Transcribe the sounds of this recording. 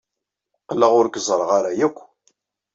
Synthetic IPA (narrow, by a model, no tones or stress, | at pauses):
qəlːəʁʊɾkəzˤɾˤəʁaɾajækʷː